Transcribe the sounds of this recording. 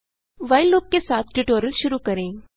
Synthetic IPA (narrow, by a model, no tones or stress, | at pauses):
ʋajlːoːp̚kesaːt̪ʰʈiʈoːɾəlʃʊɾukəɾẽː